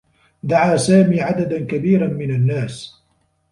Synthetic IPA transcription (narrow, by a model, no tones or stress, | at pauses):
d̪aʕaːsaːmiːʕad̪ad̪ankabiːɾanmɪnanːaːs